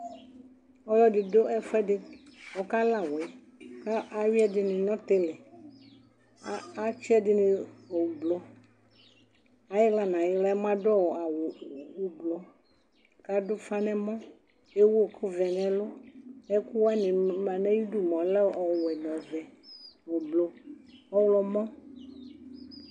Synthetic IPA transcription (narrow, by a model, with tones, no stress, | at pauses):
ɔ˦jɔ˦dɪ˨do˦ʔɛ˦fɛ˦dɪ˦wɔ˨ka˦la˨wɛ˨ | ka˦ʔa˨wi˦ɛ˦dɪ˨nɪ̃˨nɔ̃˦t̪e˦lɛ˨˦ | a˦t͡ʃi˦ɛ˦dɪ˨nɪ̃˨o˨wu˨blɔ˨˦ | a˨jɛ˦la˦nã˨jɪ˦la˦mã˦dɔ˦wɔ˨a˨wo˨wu˦blɔ˦ | ka˨dʊ˦fa˦nɛ̃˦mɔ̃˦ | e˦wo˦˨kʰu˦vɛ˨nɛ̃˨lʊ˦ɛ˦ku˦wa˦nĩ˨mã˨nɛ̃˦ji˦du˦mɔ̃˨˦lɛ˦ɔ˨wɛ˨nɔ̃˨vɛ˨wo˨blo˨ɔ˦wlɔ˨mɔ̃˦